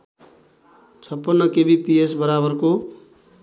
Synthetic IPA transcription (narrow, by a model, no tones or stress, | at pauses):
t͡sʰʌpːʌnːʌkebipiesbʌɾabʌrko